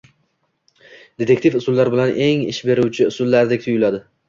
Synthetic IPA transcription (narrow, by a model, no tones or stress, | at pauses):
d̪̥et̪ʰe̞kʲt̪ʰifʊsʊlːaɾbɪlanʔe̞ŋɪ̰ʃbe̞ɾʊwt͡ʃʰɪʊsʊlːaɾd̪ekʲt̪ʰʊjʊlad̪ɪ